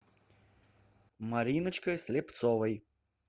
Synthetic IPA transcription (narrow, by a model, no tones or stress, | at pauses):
mɐɾʲinɨt͡ʃkɐjsʲlʲept̪sɔvɐj